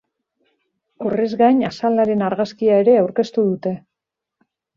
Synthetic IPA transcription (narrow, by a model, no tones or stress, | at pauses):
orezɣajɲasald̪aɾe̞naɾɣaskiae̞ɾe̞awɾke̞st̪uðut̪e̞